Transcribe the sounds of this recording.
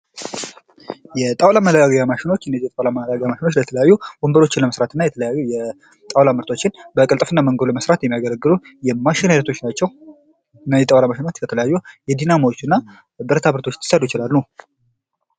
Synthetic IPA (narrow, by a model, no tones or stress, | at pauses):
jɛt̪ʼawlamələɡaɡaɡamaʃɪno̞t͡ʃːɨnːəziɛt̪ʼawlamələɡaɡamaʃɪno̞t͡ʃːlət̪ʰələjajːub̥ombəɾo̞t͡ʃːɪnləməsɾat̪ɨnːajɛt̪ʰələjajːujɛ | t̪ʼawlamɨɾt̪ʰot͡ʃːɪnbəkʼɨlt̪ʼfɨnːaməŋɡolməsɾat̪jɛmːijaɡələɡːɨlu | jɛmaʃɪnaɾət̪ʰo̞t͡ʃːnat͡ʃːɛw | najɛt̪ʼawlamaʃɪnot͡ʃlət̪ʰələjajːujɛd̪inamot͡ʃːɨnːa | bɨɾt̪ʰabɾət̪ʰo̞t͡ʃːt̪ʰɨ̥səd̪ujɪt͡ʃɪlalːu